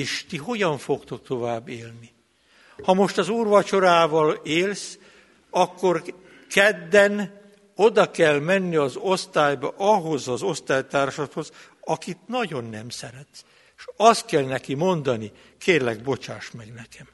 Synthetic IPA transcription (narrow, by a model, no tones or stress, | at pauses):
eːʃt̪iɦo̞ɟɒɱfo̞kt̪o̞k̚t̪o̞vaːbːeːlni | hɒmo̞ʃt̪ɒzuːrʋɒt͡ʃo̞ɾaːvɒleːls | ɒkːo̞r | kɛd̪ːɛn | od̪ɒkɛlmɛnːiɒzost̪aːjbɒʔɒɦo̞zɒzo̞st̪aːjt̪aːrʃɒt̪ho̞z | ɒkit̪nɒɟo̞nːɛmsɛɾɛt̪s | ʃɒst̪kɛlnɛkimo̞nd̪ɒni | kʰeːrlɛɡbo̞t͡ʃaːʃt̪mɛɡnɛkɛm